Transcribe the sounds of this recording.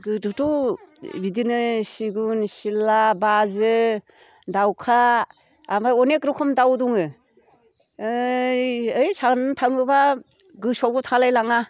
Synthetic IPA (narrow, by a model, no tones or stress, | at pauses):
ɡɯdɯtu | bidinɯsiɡunsilabazɯ | dawkʰaː | majɔnekɾɯkʰɔmdawduŋɯ | jɯjsanɯtʰaŋɯba | ɡɯsoɡutʰalajlaŋa